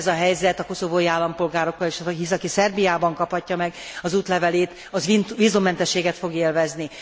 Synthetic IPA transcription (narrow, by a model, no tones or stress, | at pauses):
zɒɦɛjzɛt̪ɒko̞so̞boːiaːlːɒmpo̞lɡaːɾo̞kːɒleːʃisɒkisɛrbijaːbɒŋkɒphɒcːɒmɛɡɒzuːt̪lɛvɛleːt̪ | ɒivizumːɛnt̪ɛʃːeːɡɛt̪fo̞ɡeːlvɛzni